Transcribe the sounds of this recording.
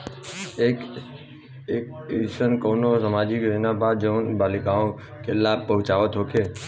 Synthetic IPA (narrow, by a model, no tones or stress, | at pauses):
ek | ekisənkonosəmad͡ʒikjod͡ʒnabad̪̚d͡ʒənbalikaõ | kelabpəɦʊ̃t͡ʃaʋət̪ɦokʰe